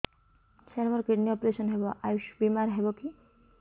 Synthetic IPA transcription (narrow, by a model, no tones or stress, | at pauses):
sʰeɾmɔɾkɾiɖniɔpɾesɔnɦebɔʔajuʃbimaɾɦebɔki